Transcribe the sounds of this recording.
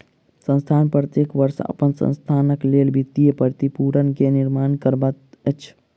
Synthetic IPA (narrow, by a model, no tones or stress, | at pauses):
sə̃nst̪ʰanpɾət̪jekʋəɾsə̰pənsə̰̃nst̪ʰanəklelbʱit̪ːijepəɾt̪ipuɾənkeniɾmankəɾbət̪ət͡ʃʰ